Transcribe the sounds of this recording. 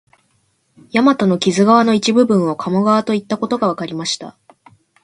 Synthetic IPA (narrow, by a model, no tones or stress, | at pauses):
jamat̪ano̞kʲizɨɡaβ̞ano̞it͡ɕibɯ̟bɯ̟̃ɰ̃o̞kʰamo̞ɡaβat̪o̞it̪ːako̞t̪oɡaβakaɾʲimaɕi̥t̪a̰